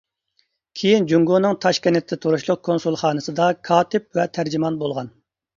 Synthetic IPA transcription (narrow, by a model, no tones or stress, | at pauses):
kʲʰejind͡ʒuŋɡonɨŋt̪ʰɑʃkʲinɪt̪ʰːɛt̪ʰoɾuʃlˠʊq̚kʰonsulˠχɑːnɨsɨd̪ɑkʰɑːt̪ʰɪp̚vɛt̪ʰæɾd͡ʒimɑnbolˠʁɑn